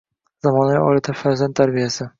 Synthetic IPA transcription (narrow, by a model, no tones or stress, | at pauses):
zamɒnavɪɒ̰lat̪ʰɪfaɾzant̪ːʰaɾbijasɪ